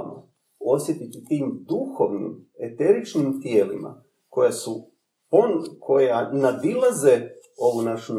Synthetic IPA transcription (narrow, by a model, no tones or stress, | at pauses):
ma̰ | o̞sjet̪it̪ut̪iːmd̪uxo̞ʋnḭm | e̞t̪e̞ɾit͡ʃnimt̪je̞ːlima̰ | ko̞jasu | pokʰo̞janad̪ilˠaze̞o̞ʋunaʃun